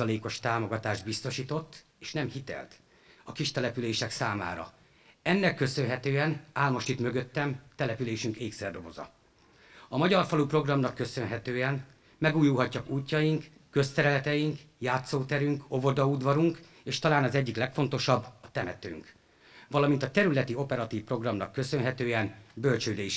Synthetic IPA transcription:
ɒleːko̞ʃt̪aːmo̞ɡɒt̪aːʒd̪bist̪o̞ʃiːt̪o̞t̪ː | eːʃnɛmhit̪ɛ̰lt̪ | ɒkiʃt̪ɛlɛpyleːʃɛksaːma̰ːɾɒ̰ | ɛnːɛkːø̞sø̞nɦɛt̪øːɛnaːlmoʃt̪it̪mø̞ɡøt̪ːɛmt̪ɛlɛpyleːʃyŋkeːksɛd̪o̞vo̞̰zɒ̰ | ɒmɒɟɒrfɒlupro̞ɡrɒmnɒkːø̞sø̞nɦɛt̪øːɛn | mɛɡuːjulɦɒcːɒkuːcːɒjiŋkː | ø̞st̪ɛɾɛlɛt̪ɛjiŋkjaːt̪soːt̪ɛɾyŋko̞vo̞d̪ɒud̪vɒɾuŋk | eːʃt̪ɒlaːnɒzɛɟːiklɛkfo̞n̪t̪o̞ʃɒbːɒt̪ɛmɛ̰t̪ø̰ːŋk | vɒlɒmint̪ɒt̪ɛɾylɛt̪io̞pɛɾɒt̪iːfpro̞ɡrɒmnɒkːø̞sø̞nɦɛt̪øːɛnbø̞lt͡ʃøːd̪ɛiʃ

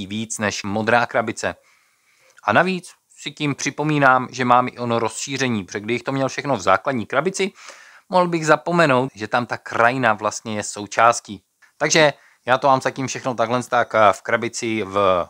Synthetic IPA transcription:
iviːt͡snɛʃmo̞d̪ɾaːkɾabɪt͡sɛ | ʔanaviːt͡s | sɪcɪmpr̝̥ɪpo̞miːnaːmʒɛmaːmʔɪ̰ʔo̞noɾo̞sʃiːr̝ɛɲiːpʒɛɡdɪbɪxt̪omɲɛlfʃɛxno̞vza̰ːkladɲiːkɾabɪt͡sɪ | moɦl̩bɪɣzapo̞mɛno̞wt̪ʒɛt̪amt̪akɾajɪnavlast̪ɲɛjɛso̞wt͡ʃaːsciː | t̪aɡʒɛ | jaːt̪omaːmzacimfʃɛxnot̪aɡlɛnst̪akfkɾabɪt͡sɪv

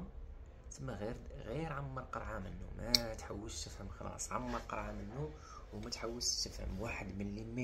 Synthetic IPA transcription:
m | t̪əmːæɣiɾɣiɾʕamːəɾˤqɑɾˤʕamənːṵmæt̪ħawːəlʃt̪əfhəmxɑlɑ̰sˤʕamːəɾˤqɑ̰ɾˤʕamənːu | wmæt̪ħawːəlʃt̪əfhə̰mwaħəd̪mənlim

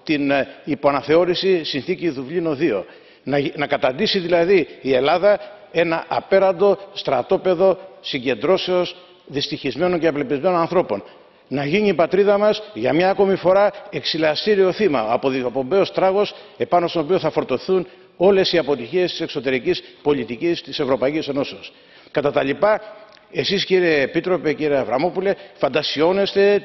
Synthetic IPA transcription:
t̪inipo̞ɐnɐθe̞oɾisisinθiciðuvlino̞ðio̞̰ | nnɐkɐt̪ɐnd̪isiðilɐðiːe̞lɐðɐe̞nɐʔɐpe̞ɾɐnd̪o̞st̪ɾɐt̪o̞pe̞ðo̞siɲɟe̞nd̪ɾo̞se̞o̞s | ðist̪içizme̞no̞ɲceɐplepizme̞nonɐnθɾo̞po̞̰n | nɐʝiniːpɐt̪ɾiðɐmɐsʝɐmɲɐɐko̞mifo̞ɾɐe̞ksilɐst̪iɾio̞θimɐ̰popo̞mbe̞ost̪ɾɐɣo̞se̞pɐnost̪onop̬ioθɐfo̞ɾt̪o̞θun | o̞le̞siɐpo̞t̪içiest̪i̥se̞kso̞t̪e̞ɾicispo̞lit̪icist̪ise̞vɾo̞pɐicise̞no̞seos | kɐt̪ɐt̪ɐlipɐ | e̞sisciɾe̞ːpit̪ɾo̞pe̞ciɾeɐvɾɐmo̞pule̞fɐnd̪ɐsio̞ne̞st̪e̞

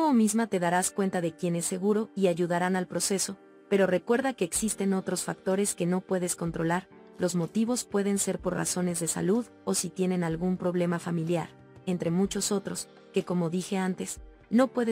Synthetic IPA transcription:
omizmat̪e̞ðaɾaskwe̞nt̪aðe̞kje̞ne̞sːe̞ɣuɾo̞iaʝuðaɾanalpɾo̞se̞so̞ | pe̞ɾo̞re̞kwe̞ɾðake̞ːksist̪e̞no̞t̪ɾo̞sfak̚t̪o̞ɾe̞ske̞no̞pwe̞ðe̞sko̞nt̪ɾo̞laɾ | lo̞zmo̞t̪iβo̞spwe̞ðe̞nse̞ɾpo̞ra̰so̞ne̞zðe̞sa̰luð | o̞sit̪je̞ne̞nalɣumpɾo̞βle̞mafamiljaɾ | e̞nt̪ɾe̞mut͡ʃo̞so̞t̪ɾo̞s | ke̞ko̞mo̞ðixe̞ant̪e̞s | no̞pwe̞ðe

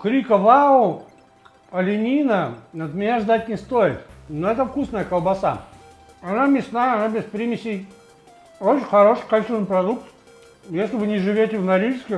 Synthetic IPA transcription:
kɾʲikəvaʊ | ɐlʲɪnʲinənəd̪mʲɪnʲaʐd̪at̚ʲnʲɪst̪ojɪt̪noɛt̪əfkusnəjəkəlˠbɐsa̰ | ɐnamʲɪsnajəɐnabʲɪspɾʲimʲɪsʲɪj | ot͡ɕɪnʲxɐɾo̞ʂɨkɐlʲsʲinɨpɾɐd̪uk̚t̪ | jesʲlʲɪvɨnʲɪʐɨvʲotʲɪvnɐɾʲiʐskʲɪ

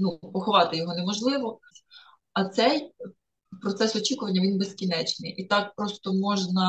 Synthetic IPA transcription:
nupɔxɔʋɑt̪ɪjɔɦɔnemɔʒlˠɪʋɔ | ɐt̪sɛj | pɾɔt̪sɛsɔt͡ʃʲikʊʋɐnʲːɐʋʲinbezkʲinɛt͡ʃnɪjʔit̪ɑk̚pɾɔst̪ɔmɔʒnɐ

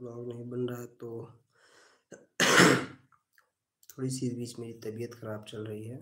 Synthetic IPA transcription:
lɔːɡnɐɦĩbɐnɾaɦɛt̪oː | t̪ʰoːɽisibiːt͡ʃmeːɾit̪ɐbijət̪xɐɾaːbt͡ʃɐlɾɐɦiɦɛː

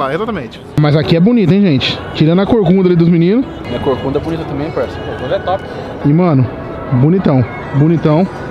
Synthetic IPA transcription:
aezat̪ɐmẽt͡ʃɪ̥mɐzakiɛbonit̪ʊẽj̃ʒẽt͡ʃɪ̥ | t͡ʃiɾɐ̃nʊɐkoɾkũnd̪ɐalid̪ʊzminĩnʊs | ɐkoɾkũnd̪ɐɛbonit̪ɐt̪ɐ̃mbẽj̃paɾɛsɐ̃pomazɛt̪ɔpɪ | ɪmɐ̃nʊ | bonit̪ɐ̃w̃ | bonit̪ɐ̃w̃

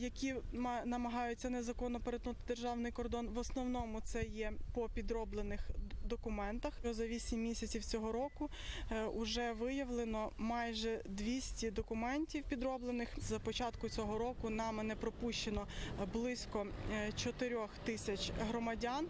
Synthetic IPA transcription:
jɐkʲimnɐmɐɦɑjʊtʲt͡sʲːɐnɛzɐkɔnːɔpeɾet̪nut̪ɪd̪erʒɑwnɪjkɔrd̪ɔnʋɔsnɔwnɔmʊt̪sɛjɛpɔpʲid̪ɾɔblˠenɪxd̪ɔkʊmɛnt̪ɐxɔzɐʋʲisʲimʲːisʲɐt͡sʲiwt͡sʲɔɦɔɾɔkʊ | ʊʒɛʋɪjɐʋlˠenɔmɑjʒɛd̪ʲʋʲisʲtʲid̪ɔkʊmɛnʲtʲiwpʲid̪ɾɔblˠenɪxzɐpɔt͡ʃɑt̪kʊt͡sʲɔɦɔɾɔkʊnɑmenɛpɾɔpuʃt͡ʃenɔblˠɪsʲkɔt͡ʃɔt̪eɾʲɔxt̪ɪsʲɐt͡ʃɦɾɔmɐdʲan

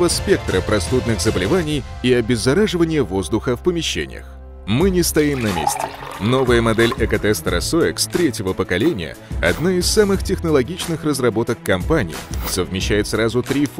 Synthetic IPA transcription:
vəspʲe̞k̚t̪ɾəpɾʔɐst̪ud̪nɨxzəbəlʲɪvanʲɪjiɐbʲɪzːɐɾaʐɨvənʲɪjəvo̞zd̪ʊxəfpəmʲɪɕːḛnʲɪ̰jə̰x | mɨnʲɪst̪ɐimnɐmʲḛsʲtʲɪ̰no̞vəjəmɐd̪ɛlʲɛkɐt̪ɛst̪ɾɐ̰soɪkst̪ɾʲetʲjɪvəpəkɐlʲenʲɪjə̰ɐ̰d̪naɪsːamɨxtʲɪxnəlˠɐɡʲit͡ɕnɨxrəzrɐbo̞t̪əkːɐmpanʲɪ̰ɪ̰səvmʲɪɕːæjɪt̪srazʊt̪ɾʲif

